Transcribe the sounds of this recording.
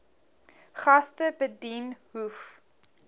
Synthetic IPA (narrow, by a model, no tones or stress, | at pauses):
χɐstəbədinhuf